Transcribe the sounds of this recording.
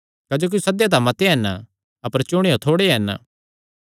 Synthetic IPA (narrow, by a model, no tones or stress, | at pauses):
kɐd͡ʒoːk̬isɐd̪jãt̪̬ãmɐt̪eɦɛn | ɐpəɾt͡ʃʊɽ̃ejot̪ʰoːɽeɦɛn̰